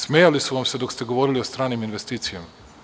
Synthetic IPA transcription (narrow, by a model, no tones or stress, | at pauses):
smeːjalisuʋamsed̪o̞kst̪eɡo̞ʋo̞ɾilio̞st̪ɾaːniminʋe̞st̪iːt̪sijama